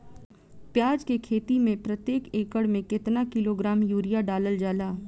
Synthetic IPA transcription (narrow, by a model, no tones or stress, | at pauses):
pjaːd͡ʒkekʰeːt̪imẽpɾət̪jeːkeːkəɽmẽkɪt̪nakɪloɡɾaːmjuːɾijaɖaːləld͡ʒaːlaː